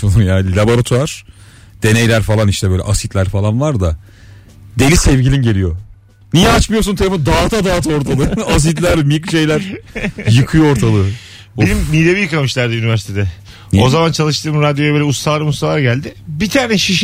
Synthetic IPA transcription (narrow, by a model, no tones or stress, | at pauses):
onˠumjaːlʲabo̞ɾat̪ʰuaɾ̥ | d̪̥e̞nejlʲæɾfalˠaniʃt̪ʰɛbøjlʲɛ̰ʔasit̪lʲæɾfalˠanlˠaɾd̪a | d̪e̞lʲisɛvɟilʲinɟe̞lʲijo | nijɛat͡ʃmɯjo̞s̬unt̪ʰelʲeond̪aːt̪ʰad̪aːt̪ʰaoɾt̪ʰalˠɯas̬it̪lʲæɾmijkɯʃe̞jlʲæɾ̥jɯkʰɯjooɾt̪ʰalˠɯ | benimːilebijɯkamɯʃlʲæɾd̪ɛynivæɾsi̥t̪ʰed̪ɛ | ozamant͡ʃʰalˠɯʃt̪ʰɯːmɾad̪jojabøːlʲɛust̪alˠaɾɯmust̪alˠaɾɟælʲd̪ɪbit̪ʰaːnɛʃiʃ